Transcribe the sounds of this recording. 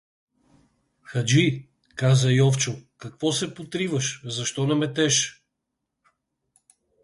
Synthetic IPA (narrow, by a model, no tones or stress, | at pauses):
xɐd͡ʒi | kazəjɔft͡ʃʊkɐkvɔsɛpot̪ɾivəʃzɐʃt̪ɔnɐmɛt̪ɛʃ